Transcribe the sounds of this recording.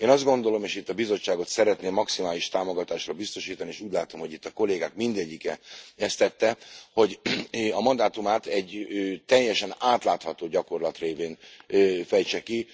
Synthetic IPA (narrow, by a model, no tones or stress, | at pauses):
eːnɒzd̪ɡo̞nd̪o̞lo̞meːʃit̪ːɒbizo̞t͡ʃːaːɡo̞t̪sɛɾɛt̪neːmːɒksimaːliʃt̪aːmo̞ɡɒt̪aːʃrɒbist̪o̞ʃiːt̪ɒnieːʃuːɟlaːt̪o̞mho̞ɟit̪ːɒko̞leːɡaːkmind̪ɛɟːikɛɛst̪ɛt̪ːɛho̞ɟɒmɒnd̪aːt̪umaːt̪ɛɟt̪ɛjːɛʃɛnaːt̪laːt̪hɒt̪oːɟɒko̞rlɒt̪reːveːnfɛjt͡ʃɛki